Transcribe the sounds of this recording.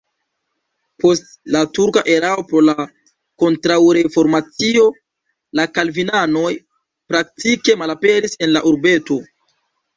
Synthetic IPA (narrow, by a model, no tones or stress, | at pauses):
po̞st | latuɾkaʔe̞ɾao̞pɾo̞la | ko̞ntɾawɾe̞fo̞ɾmat͡sio̞ | lakalvinano̞j | pɾak̚tike̞malape̞ɾise̞nlaʔuɾbe̞to̞